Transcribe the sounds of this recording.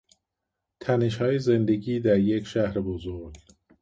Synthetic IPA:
t̪ʰæne̞ʃhɒːjezend̪e̞ɟiːd̪æɾjecʰʃæhɾebozoɾɡ

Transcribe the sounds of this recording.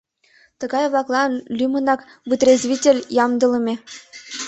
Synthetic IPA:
t̪ɤ̆ɡɑjβlˠɑklˠɑlʲymɤ̆nɑk | vɯt̪rʲezvʲitʲelʲjɑmd̪ɤ̆lˠɤ̆mʲe

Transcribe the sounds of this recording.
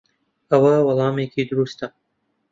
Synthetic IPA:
ɐwɐwɑlˠɑːmeːkʰiːd̪ʊɾuːst̪a

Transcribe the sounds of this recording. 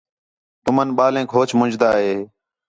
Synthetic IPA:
t̪ʊmənɓaːlẽːkɦoːt͡ʃmʊd͡ʒd̪aːɦeː

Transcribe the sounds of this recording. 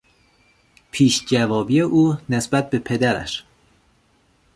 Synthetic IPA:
pʰiːʃd͡ʒævɒːbiːeʔuːnesbæt̪̚be̞pʰe̞d̪æɾæ̰ʃ

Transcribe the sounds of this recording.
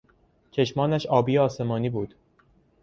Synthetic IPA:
t͡ʃʰe̞ʃmɒːnæʃɒːbiːɒːse̞mɒːniːbuːd̪̥

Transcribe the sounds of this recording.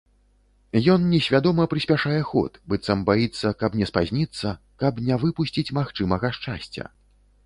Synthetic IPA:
jɔnnʲɛsʲvʲad̪ɔmɐpɾɨsʲpʲaʂajɛxɔ̰t̪bɨt̪sɐmbajit̪sːɐkɐpnʲɛspazʲnʲit̪sːɐ | kɐbnʲɛvɨpusʲt͡sʲit͡sʲmaxt͡ʂɨmɐɣɐʂt͡ʂa̰sʲt͡sʲɐ̰

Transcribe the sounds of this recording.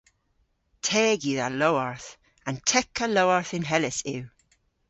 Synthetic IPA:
tʰɛːɡjiðalowaɹθ | ə̃ntʰɛkəlowaɹθɪ̃nɦɛlɪsɪw

